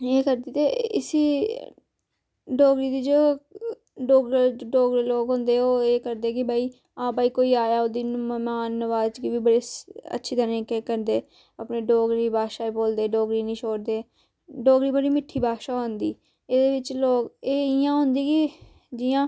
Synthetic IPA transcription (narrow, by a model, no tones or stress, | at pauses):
eːkəɾd̪iːt̪eːɪ̰siː | ɖoːɡɾiːd̪iːd͡ʒoː | ɖoːɡɖoːɡɾiːloːɡɦʊ̃nd̪eːoːeːkəɾd̪eːkɪbaːiː | ãːbaːiːkoːiːaːjaːod̪iːnmmaːnːəʋaːzt͡ʃkiːʋiːbəɽeːə̰tːʃʰiːt̪əɾẽːkeːkəɾd̪eː | əpneːɖoːɡɾiːbaːʃaːiboːld̪eːɖoːɡɾiːnĩːt͡ʃʰoːɽd̪eː | ɖoːɡɾiːbəɽiːmɪʈʰːiːbaːʃaːɦõːnd̪iː | eːd̪eːʋɪt͡ʃloːkeːɪjãːɦʊ̃nd̪iːkɪ | d͡ʒɪjãː